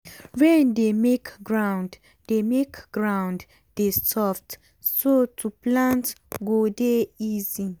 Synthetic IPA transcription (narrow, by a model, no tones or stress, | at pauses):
ɹɛ̃ndemekɡɹãw̃nd | demekɡ̥ɹãwnd | destɔft | sotʰuplãntɡodeizi